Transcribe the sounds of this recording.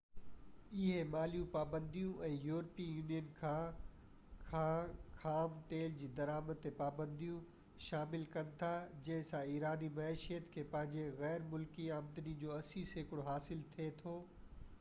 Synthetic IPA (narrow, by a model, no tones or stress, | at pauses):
ɪɦemaːlijũpaːbə̃nd̪ijũʔɛ̃ːjuːɾpiːjuːnijənkʰã | axaːmt̪eːld͡ʑiːd̪ɐɾaːməd̪̚t̪ːepaːbə̃nd̪ijũ | ʃaːmɪlkɐnɪ̆t̪ʰad͡ʑɐ̃ɦɪ̃sãiːɾaːnimɐeːʃijət̪kʰeːpɐ̃ɦɪ̃ɲd͡ʑeɣɛːɾmʊlkiaːmd̪ənid͡ʑoːɐsiseːkɪɽoɦaːsɪlt̪ʰiet̪ʰoː